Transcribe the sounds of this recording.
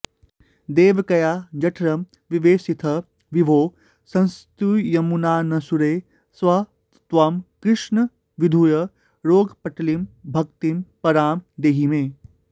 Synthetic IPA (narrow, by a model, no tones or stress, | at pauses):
d̪eːʋkɐjaːd͡ʒɐʈʰɾɐm | ʋiʋeːsit̪ʰɐ | ʋibʱoː | sɐ̃nst̪ujɐmunaːnɐsuɾeː | sʋɐ | t̪ʋɐmkɾɪʂɳɐ | ʋid̪ʱujɐ | ɾoːɡpɐʈʰlimbʱɐkt̪impɐɾaːmd̪eːɦimeː